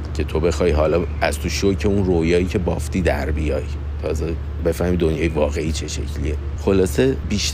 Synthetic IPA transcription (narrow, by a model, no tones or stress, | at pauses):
cʰe̞t̪ʰo̞be̞xɒːjɦɒːlɒː | æz̥t̪ʰoʃocʰe̞unrojɒːiːcʰe̞bɒft̪ʰiːd̪æɾbijɒːj | t̪ʰɒːze | be̞fæhmid̪o̞njɒːjevɒːɣe̞iːt͡ʃʰe̞ʃe̞̰cʰlḭe | xo̞lɒːse̞biːʃ